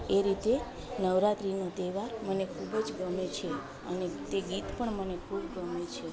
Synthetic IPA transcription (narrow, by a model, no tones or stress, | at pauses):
eɾit̪e | nəʋɾat̪ɾinot̪eʋaɾmənekʰubd͡ʒɡəmet͡ʃʰe | ə̰net̪eɡit̪pəɳmənekʰubɡəmet͡ʃʰe